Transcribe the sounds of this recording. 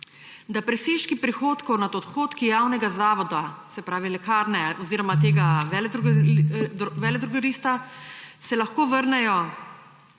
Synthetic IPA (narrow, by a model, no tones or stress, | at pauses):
d̪apɾɛseːʃkipɾixoːt̪kɔwnad̪ɔt̪xoːt̪kijawnɛɡazaːʋɔd̪asɛpɾaːʋilɛkaːɾnɛɔziːɾɔmat̪̬eːɡaʋɛld̪ɾu | ʋɛːlɛd̪ɾuɡaɾiːst̪asɛlaxkoːʋəɾnɛjɔ